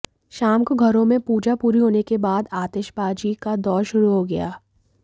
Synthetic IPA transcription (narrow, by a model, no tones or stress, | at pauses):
ʃaːmkoɡʱɐɾõmẽpuːd͡ʒapuːɾiɦoːnekebaːd̪aːt̪eːʃbaːd͡ʒikad̪ɔːɾʃʊɾuɦoɡɐjaː